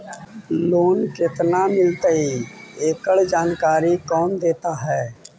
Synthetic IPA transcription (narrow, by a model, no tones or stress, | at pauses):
loːnkɪt̪namɪlt̪əieːkəɭd͡ʒaːnkaːɾikɔːnd̪eːt̪aɦɛː